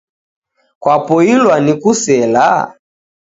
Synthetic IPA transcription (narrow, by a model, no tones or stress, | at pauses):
kwapɔilwanikusɛla̰